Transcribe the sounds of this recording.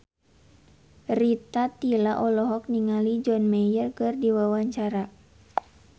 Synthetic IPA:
rit̪at̪ilaʔɔlɔɦɔk̚niŋalid͡ʒɔnmɛjərkɨrdiwawaɲt͡ʃaɾa

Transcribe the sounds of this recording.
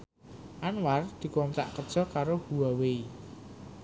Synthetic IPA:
ʔanward̪̥i̤kwɔnt̪a̰ʔkə̥ʒ̥ɔ̤kaɾohuwawei

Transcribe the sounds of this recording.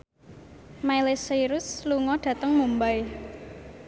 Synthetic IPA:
mailesiɾʊsluŋɔɖ̥ä̤t̪əŋmumbaj

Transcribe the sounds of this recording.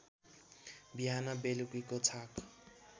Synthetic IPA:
biɦanabelukikot͡sʰak

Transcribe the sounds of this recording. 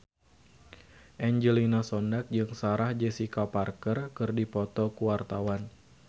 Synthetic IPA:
ʔɛɲd͡ʒəlinasɔndak̚d͡ʒɨŋsaɾahd͡ʒɛsikaparkərkɨrdipɔt̪ɔkuwart̪awan

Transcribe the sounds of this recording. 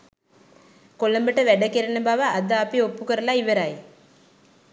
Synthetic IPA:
koɭːɐmbɐʈːɐʋɛɽɐkːeɾɐnɐbaːʋɐʔɐd̪aːpːiopːukɐɾɐlaːiʋɐɾaːj

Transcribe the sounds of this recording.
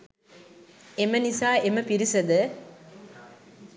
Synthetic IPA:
emənisaːʔeməpiɾisɐd̪ə

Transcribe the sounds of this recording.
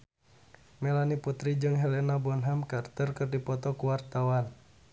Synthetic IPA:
mɛlaniput̪ɾid͡ʒɨŋɦɛlɛnabɔnɦɛmkart̪ərkɨrdipɔt̪ɔkuwart̪awan

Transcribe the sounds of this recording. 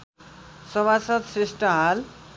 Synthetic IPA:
sʌbasʌt̪sɾisʈʌɦal

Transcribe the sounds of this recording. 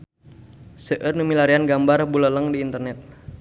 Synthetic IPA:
səʔərnumilaɾianɡambarbulələŋdiːnt̪ərnɛt̪̚

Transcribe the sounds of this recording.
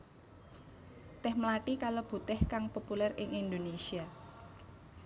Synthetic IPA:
t̪ɛhmlaʈikalob̥ṳt̪ɛhkaŋpopulɛrɪŋind̪onesia

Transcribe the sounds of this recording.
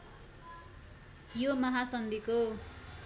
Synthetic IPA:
jomʌɦasʌnd̪iko

